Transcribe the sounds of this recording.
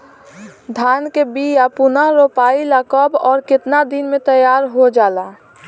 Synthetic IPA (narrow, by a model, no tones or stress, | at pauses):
d̪ʱankebijapunaɾopailəkɔbɔːɾkɪt̪nad̪inmẽt̪əjaɾɦod͡ʒala